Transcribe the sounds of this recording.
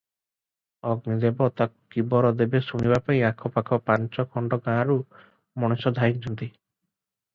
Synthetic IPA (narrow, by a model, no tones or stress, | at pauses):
ɔɡnid̪ebɔt̪akkibɔɾɔd̪ebesuɽ̃ibapaĩakʰɔpakʰɔpaɲt͡ʃɔkʰɔɳɖɔɡãːɾu | mɔɽ̃ɔsɔd̪ʱaik̚t͡ʃʰɔnt̪i